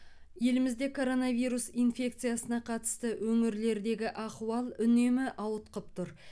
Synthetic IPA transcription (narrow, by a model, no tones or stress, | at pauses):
je̞lɪmɪzd̪e̞kʰo̞ɾo̞nɑvijɾusijnfʲe̞k̚t̪sɨjasənɑqʰɑt̪ə̥st̪əwʔɵŋɪɾle̞ɾd̪e̞ɡʲɪʔɑquwɑlˠʏne̞mɪʔɑwət̪qəp̚t̪ʰʊɾ